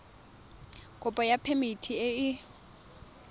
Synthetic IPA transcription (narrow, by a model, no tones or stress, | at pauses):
kʼʊpʼɔjapʰemitʰieɪ